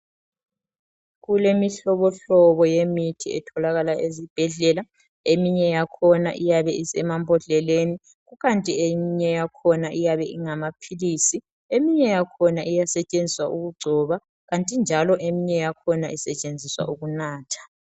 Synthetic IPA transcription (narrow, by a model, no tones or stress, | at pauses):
ɣulemiɬɔβɔɬɔβɔjemitʰiɛ̰tʰɔlaɣalaʔezib̥ʱɛɮɛla | emiɲɛjakʰɔna̰ʔijaβɛisɛmambʱɔɮɛleni | ɣuɣantʼiemiɲɛjakʰɔnaʔijaβɛiŋamapʰiliːsi | emiɲɛjakʰɔnaʔijasɛt͡ʃʼend͡zʱiswaʔuɣuɡ͡ǀʱɔβa | ɣantʼind͡ʒʱalɔʔemiɲɛjakʰɔnaʔisɛt͡ʃʼend͡zʱiswa̰ʔuɣunaːtʰḁ